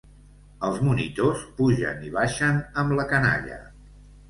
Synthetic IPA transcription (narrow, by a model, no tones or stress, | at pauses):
əlˠzmunit̪ospuʒə̰niβ̞aʃənəmləkəna̰ʎə̰